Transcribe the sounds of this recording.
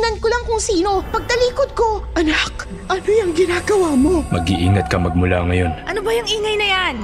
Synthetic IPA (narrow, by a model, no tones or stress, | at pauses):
nɐnkolɐŋkʊŋsiːno̞pɐɡ̚t̪ɐliːkod̪̚ko̞ʔɐnak | ʔɐnojɐŋɡɪnaːɡɐwaːmo̞mɐ̰ɡḭʔiːŋɐt̪̚kɐmɐɡ̚mʊla̰ŋɐjo̞nʔɐnobɐjʊŋʔiːŋɐjnɐjan